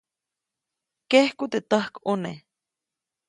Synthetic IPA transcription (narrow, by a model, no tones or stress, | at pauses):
kehkut̪et̪əhkune